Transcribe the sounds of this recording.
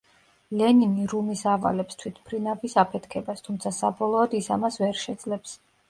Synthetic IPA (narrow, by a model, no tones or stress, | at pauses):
lɛniniɾumisava̰lɛpst̪ʰwit̪ʰpʰɾinavisapʰɛt̪ʰkʰɛbast̪ʰumt̪sʰasabɔlˠɔːd̪isamasvɛɾʃɛd̪zlɛps